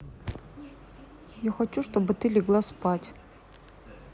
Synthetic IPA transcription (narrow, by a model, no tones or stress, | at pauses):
jaxɐt͡ɕuʂt̪obɨt̪ɨlʲɪɡlˠaspatʲ